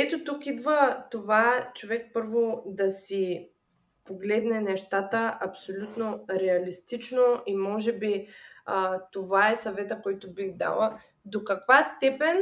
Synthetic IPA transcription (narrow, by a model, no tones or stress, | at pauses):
ɛt̪ot̪ukid̪vət̪ovat͡ʃovɛk̚pɤɾvod̪ɐsi | poɡlɛd̪nɛnɛʃt̪at̪əɐpsolʲut̪noɾɛɐlist̪it͡ʃnoʔimɔʒɛbi | t̪ovaɛsɐvɛt̪əkɔjt̪obixd̪a̰lˠə | d̪okɐkvast̪ɛpɛn